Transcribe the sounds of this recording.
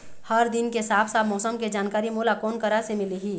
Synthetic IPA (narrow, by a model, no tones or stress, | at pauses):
həɾd̪ɪnkesaːpʰsaːbmɔːsəmked͡ʒaːnkaːɾimuːlakɔːnkəɾasemɪliɦiː